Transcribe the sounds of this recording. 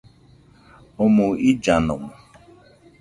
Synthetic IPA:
omʊid͡ʒanʊ̰mʊ

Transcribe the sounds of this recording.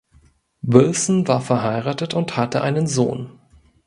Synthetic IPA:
bɪlsn̩vaːɐfɛɐɦaɪʁaːtətʊnthatəʔaɪnənzo̰ːn

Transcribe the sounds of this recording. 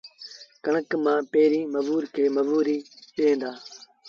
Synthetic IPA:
kəɳəkmãːpeːɾiːməʋuːɾkʰeːməʋuːɾiːɗẽːnd̪aː

